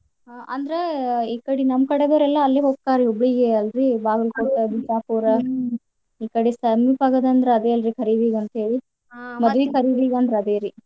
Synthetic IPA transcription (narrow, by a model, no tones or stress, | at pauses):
ʔɐ̰nd̪ɾeiːkɐɽinɐmkɐɽed̪ɐːɾɛlːɐːlːeɦoːk̚kaːɾiɦobɭiɡeɐlɾibaːɡɐlkoʈːɐbid͡ʒaːpuːɾɐ | iːkɐɽesɐmipaːɡɐd̪ɐnd̪ɾeɐd̪eːɐlɾikʰɐɾiʋiːɡɐnt̪ɐɦeːɭi | mɐd̪ʋikʰɐɾiʋiːɡɐnd̪ɾeɐd̪eːɾi